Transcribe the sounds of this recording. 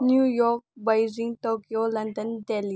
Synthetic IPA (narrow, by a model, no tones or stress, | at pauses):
njujok̚bajziŋt̪okijolɐnd̪ənd̪eli